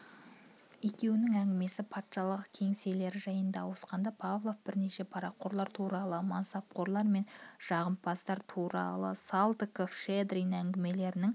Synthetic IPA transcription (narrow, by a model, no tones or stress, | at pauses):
e̞kʲe̞wɪnɪŋæŋɡʲɪme̞sɪpʰɑt̪ʃɑlˠəqkʲʰe̞ŋse̞le̞ɾɪʒɑjənd̪ɑwo̞sqɑnd̪ɑpʰavlˠo̞fb̥ɪɾne̞ʃe̞pʰɑɾɑqʰːo̞ɾlˠɑɾt̪ʰuɾɑlˠəmansɑp̚qo̞ɾlˠɑɾme̞nʒ̥ɑʁəmpʰɑst̪ɑɾt̪ʰuɾɑ̰lˠə̰salˠd̪ɪkofʃed̪ɾijnæŋɡʲɪme̞le̞ɾɪnɪŋ